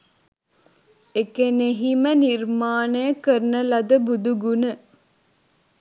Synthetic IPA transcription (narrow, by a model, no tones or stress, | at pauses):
ekeneɦimənirmaːnəjəkəɾnəlad̪əbud̪uɡunə